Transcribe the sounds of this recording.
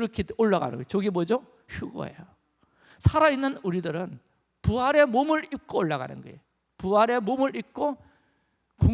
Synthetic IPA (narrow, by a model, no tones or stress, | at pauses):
ɾʌkʰedoɭːaɡa̰nɯnɡʌ̰t͡ɕoɡimod͡ʑo | çuɡo̰ɦḛjo | sʰaɾainːɯnuɾidɯɾɯn | puaɾe̞momɯɭip̚k͈oːɭːaɣa̰nɯ̰nɡʌ̰ḛjo | puaɾe̞momɯɾik͈o | ko